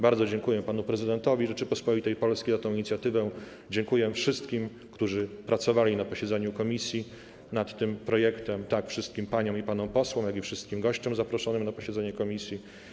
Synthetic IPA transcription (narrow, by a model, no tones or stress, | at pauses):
baɾd̪ɔd͡ʑɛŋkujɛpanupɾɛzɘd̪ɛnt̪ɔvʲiʐɛt͡ʂɘpɔspɔit̪ɛjpɔlskʲejzat̪ɔ̃w̃iɲit̪sʲjat̪ɘvɛ | d͡ʑɛŋkujɛfʂɘst̪̚kʲim | kt̪uʐɘpɾat̪sɔvalʲinapɔɕɛd̪zɛɲukɔmʲisʲji | nat̪ːɘmpɾɔjɛkt̪ɛmt̪akfʂɘst̪̚kʲimpaɲɔ̃w̃ipanɔ̃w̃pɔswɔ̃m̃jaɡifʂɘst̪kʲimɡɔɕt͡ɕɔmzapɾɔʂɔnɘmnapɔɕɛd̪zɛɲɛkɔmʲisʲji